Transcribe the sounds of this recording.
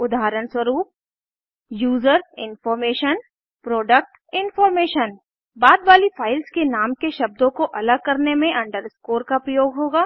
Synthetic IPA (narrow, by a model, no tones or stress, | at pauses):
ʊd̪ʱaːɾəɳswəɾuːp̚ | juːzəɾɪ̰nfɔːɾmeːʃən | pɾoːɖək̚ʈ | ɪnfɔːɾmeːʃən | baːd̪ʋaːlifʰaːɪlskenaːmkeʃɐb̚d̪õkoʔɐləɡ̚kɐɾnemẽʔɐ̃ɳɖəɾskoːɾkapɾɐjoːɡɦoːɡaː